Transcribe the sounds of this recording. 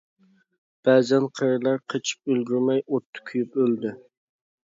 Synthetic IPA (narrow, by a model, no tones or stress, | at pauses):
b̥æːzɛnqʰəɾɨlˠɑɾqʰət͡ʃʰi̥p̚ølɡʲyɾmɛjʔot̪ʰːʊ̥kʲʰyjypøld̪y